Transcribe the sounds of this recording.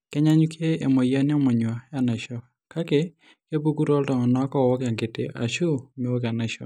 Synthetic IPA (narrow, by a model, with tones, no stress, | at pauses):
kɛ˦ɲa˦ɲu˦kʰeː˦˨mɔ˨ja˦nɪ˦ɔ˦mɔ˨ɲwa˨ja˦˨na˨ʃɔ˦ | ka˦ke˨ | ke˦bu˦ɡu˦ɾɔ˦ldɔ˨ŋɔ˨na˦kɔ˦˨wɔ˦ka˨ŋɡɪ˨tḛ˦ʔa̰˨ʃu˦me˨wo˦ka˨na˨ʃɔ̰˨